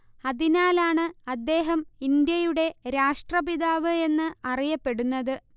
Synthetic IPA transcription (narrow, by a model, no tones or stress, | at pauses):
ɐðinaːlaːɳɨɐd̪ːe̞ːɦɐmind̪jɐjuɽe̞ɾaːʂʈrɐbiðaːʋɨe̞nːɨɐrijɐpːe̞ɽunːɐðɨ